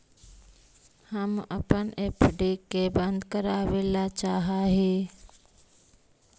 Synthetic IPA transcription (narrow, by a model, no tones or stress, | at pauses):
həmə̰pənepʰɖikːebə̃nd̪kəɾaːʋeːlat͡ʃaːɦaːɦi